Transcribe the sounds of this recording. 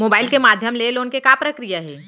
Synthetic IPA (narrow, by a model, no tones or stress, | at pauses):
moːbaːɪlkemaːd̪ʱjəmleːloːnkekapɾɐkɾijaɦɛː